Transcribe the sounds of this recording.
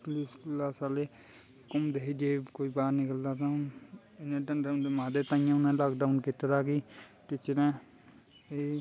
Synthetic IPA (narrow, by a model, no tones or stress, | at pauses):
kliːskəlːaːsaːleː | kʊmd̪eːɦid͡ʒeːkoːiːbaːɾnɪkəld̪aːt̪ã | ɪnẽːɖənɖamaːd̪et̪ãːɪ̃jãːʊnãːlaːkɖaːunkɪt̪əɾaːkiː | ʈɪt͡ʃːɾɛ̃ː | eː